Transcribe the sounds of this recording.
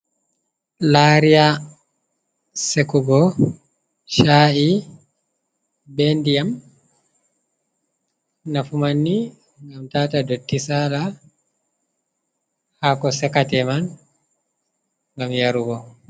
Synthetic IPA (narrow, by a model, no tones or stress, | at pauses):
laɾija | sekuɡɔ | ʃaʔi | bendijam | nafumanːi | ŋɡamtaːtadotːisala | hakɔsɛkatɛman | ŋɡamjaɾuɡɔ